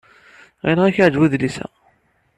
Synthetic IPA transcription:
ʁinʁæçəʕd͡ʒwuðlisæ̰

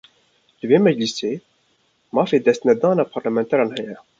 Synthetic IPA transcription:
ləveːmɛd͡ʒliseː | mɑːfeːd̪ɛst̪nɛd̪ɑːnɑːpʰɑɾlæmɛnt̪ʰɛɾɑːnhɛjɛ

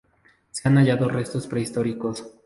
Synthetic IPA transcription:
seanaʝaðo̞re̞st̪o̞spɾe̞ist̪o̞ɾiko̞s

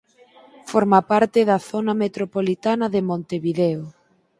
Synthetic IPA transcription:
foɾmapaɾt̪ɪðɐθonamet̪ɾopolit̪anɐðemõnt̪eβiðɛo

